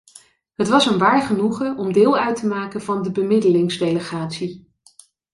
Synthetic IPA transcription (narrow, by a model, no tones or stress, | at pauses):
ɦətʋɑsənʋaːɹχənuχəɔmdɪːlˠœɥtəmaːkənvɑndəbəmɪdəlɪŋzdejləχaːtsi